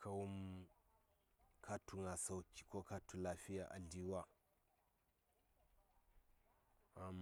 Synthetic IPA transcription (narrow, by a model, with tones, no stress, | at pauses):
kʰa˦wu˦m | kʰa˦tu˨ŋa˨sa˦wki̥˨ko˦ka˦tu˨la˨fi˦ja˨ʔa̰˨ɮi˦wa˦ | a˨m